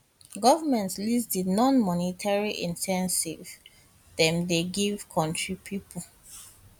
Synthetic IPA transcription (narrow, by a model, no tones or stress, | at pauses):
ɡɔvəmɛ̃ntslisdinɔ̃nmɔnitʰaɹiʔĩntʰɛ̃nsiv | dɛ̃mdeɡiv̥kʰɔ̃ntɹipʰipʰəl